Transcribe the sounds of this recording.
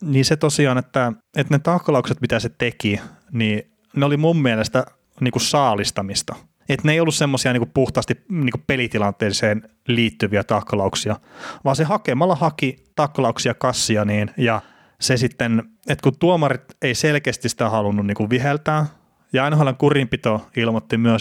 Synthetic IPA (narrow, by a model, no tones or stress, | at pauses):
niːset̪osiɑːnet̪ːæ | et̪net̪ɑkːlɑukset̪mit̪æset̪eki | niː | neolimummielest̪æ | niːkussɑːlist̪ɑmist̪ɑ | et̪neˑijolːussemːosiɑniːkupuht̪ɑːst̪iniːkupelit̪ilɑnt̪ˑeːseːn | liːt̪ːyʋiæt̪ɑkːɑlɑuksiɑʋɑːsehɑkemɑlːɑhɑkit̪ɑkːɑlɑuksiɑkɑsːiɑniːnjɑ | sesit̪ːenet̪kunt̪uomɑrit̪eiselkeːst̪isi̥t̪æhɑlunːunniːkuʋʋihelt̪æː | jɑɑinɑhɑleŋkurimpit̪oilmot̪ːimyøs